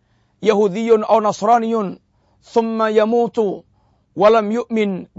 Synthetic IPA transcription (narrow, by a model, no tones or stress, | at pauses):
jahuːd̪ɪjːʊnʔawnɑsˤɾˤɑːnɪjʊn | θʊmːajamuːt̪ʊ | walamjʊʔmɪnb